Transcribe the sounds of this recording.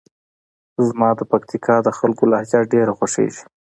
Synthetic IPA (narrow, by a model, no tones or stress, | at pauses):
zmɑd̪əpakt̪ikʰɑd̪əxalkolɑhd͡ʒaɖeɾaxwaʂḛʒi̥